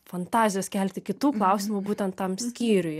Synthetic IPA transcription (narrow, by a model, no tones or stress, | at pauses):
fɐnt̪ɑːzʲɪjoːskʲɛlʲt̪ʲɪkʲɪt̪uːklˠɐʊsʲɪmuːbuːt̪ʲɛnt̪t̪ɐmsʲkʲiːɾʲʊj